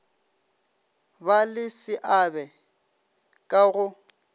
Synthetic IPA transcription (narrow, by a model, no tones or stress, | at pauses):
balɪsɪʔabɛ | kʼaɣʊ